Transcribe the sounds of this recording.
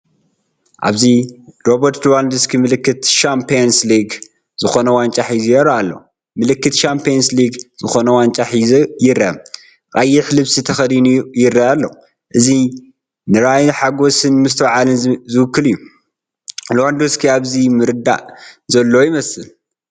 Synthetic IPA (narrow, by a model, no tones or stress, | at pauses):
ʔa̰βziɾobɐɾt̪luwand̪uskʰimɨlɨkːɨt̪ʃampʰejnsliɡ | z̥ɨxo̞nɐwant͡ʃʼaħizjɾaalːɐw | mɨlɨkːɨt̪ʃampʰeonsliɡz̥ɨxo̞nɐwant͡ʃʼaħjɪɾːaɐm | kʼajːɪħlɨβsit̪ʰɐxɐd̪inujɪɾːaʔalːɐ | ʔɨzi | nɨɾajnħaɡo̞sɨnmɨs̬t̪ʰɐwʕalɨnzɨwɨkːɨlɨjːu | luwand̪uskʰiaβzimɨɾɨd̪a̰ʔzɐlːojɪmɐsɨl